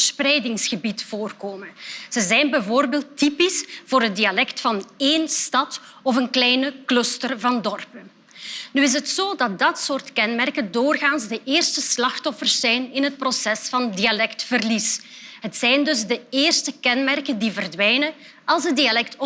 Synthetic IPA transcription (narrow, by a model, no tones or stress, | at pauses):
sprɛjdɪŋsxəbitfoːrkoːmənz̥əzɛjnbɛjvoːrbeːlˠtipisv̥oːɾɦəndialɛktfɑneːnstɑtɔfənklɛjnəkløstərvɑndɔrpən | nyɪs̬ɦətsoːdɑt̚dɑtsoːrtkɛnmɛrkəndoːrɣaːnzdəʔeːrstəslɑxtɔfərsːɛjnɪnɦət̚prosɛsfɑndialɛktfərlisɦətsɛjndɵzdəeːrstəkɛnmɛrkəndivərdʋɛjnə | ɑlˠsədialɛk̚tɔ